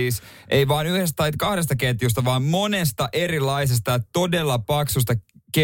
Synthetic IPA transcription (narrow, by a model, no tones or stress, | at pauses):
iːs | ʔeiʋɑːnyhest̪t̪ɑit̪kɑhɾes̬t̪ɑket̪just̪ɑʋɑːmmo̞nest̪ɑʔe̞ɾilɑisest̪ɑjɑt̪o̞delːɑpɑksust̪ɑke